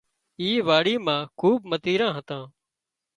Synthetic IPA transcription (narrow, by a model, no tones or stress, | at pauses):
iːʋaːɽiːmãːkʰuːɓmət̪iːɾãːɦət̪ãː